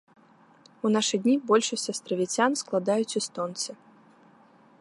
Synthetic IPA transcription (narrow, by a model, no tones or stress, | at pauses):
unaʂɨdʲnʲibɔlʲʂɐsʲt͡sʲɐst̪ɾɐvʲit͡sʲansklˠad̪ajut͡sʲust̪ɔnt̪sɨ